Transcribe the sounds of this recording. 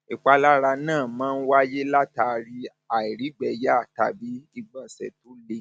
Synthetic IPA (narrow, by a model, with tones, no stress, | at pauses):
i˨k͡pa˧la˦ɾa˧nãː˦˨mãː˦˧n̩˦wa˦je˦la˦ta˧˨˧ɾi˧ | a˨i˨ɾi˨˦ɡ͡bɛ˨ja˦a˦˨ta̰˨˧bi˨˦i˧ɡ͡bã˨sɛ̰˧˨to˨˦le˦˨